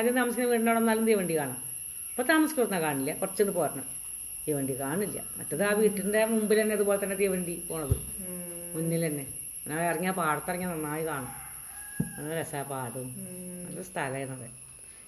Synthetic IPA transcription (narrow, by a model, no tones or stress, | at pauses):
aðint̪aːmɐsikʲːnːeʋiːʈːɐɳːoːɽonːaːlumt̪ijɐʋɐɳɖikaːɳɐm | ɐpːot̪aːmɐsi̥kʲːurnːakaːɳilːɐkurɐt͡ɕːenːɨpoːɾɐɳɐ | t̪ijʋɐɳɖikaːɳilːɐ̰mɐ̰tːɐðaːʋiːʈːinɖe̞mumbilt̪ɐnːeɐðupo̞ːlet̪ɐnːe̞t̪ijɐʋɐɳɖipo̞ːɳɐðɨ̰ | muɲːilt̪ɐnːe̞ | inːaːɐriŋːaːpaːɽɐt̪ːɐrɐŋːɐnɐnːaːjikaːɳɐm | ɐnːɾesaːpaːɽumɐ̰lːɐst̪ʰɐlɐjenːɐðḛ